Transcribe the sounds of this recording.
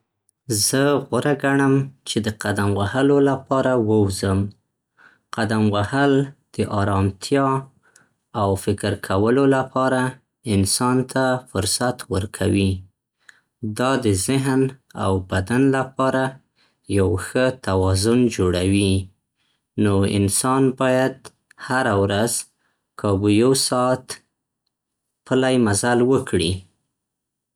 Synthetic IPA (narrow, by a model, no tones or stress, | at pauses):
zəɣwaɾaɡaɳəmt͡ʃed̪əqad̪amwahəlolapɑɾawəwzəm | qad̪amwahald̪̥əʔɑɾɑmt̪ʰjɑ | awfɪkəɾkʰawəlolapʰɑɾa | ɪnsɑnt̪ʰafʊɾsat̪wəɾkʰawi | d̪ɑd̪əzɪɦna̰wbad̪anlapɑɾa | jawxət̪awɑzʊnd͡ʒoɽawi | noɪ̰nsɑnbɑjad̪ | haɾawɾaz | kʰɑbujowsɑt̪ | pəlajmazalwəkʰɽi